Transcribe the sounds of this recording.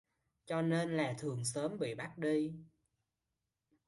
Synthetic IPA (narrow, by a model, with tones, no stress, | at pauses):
t͡ɕɔ˧ne˧nlaː˨˩t̪ʰɨ˨˩əŋsəː˨˦mɓḭ˧˨ɓa˦˥t̚ɗi˧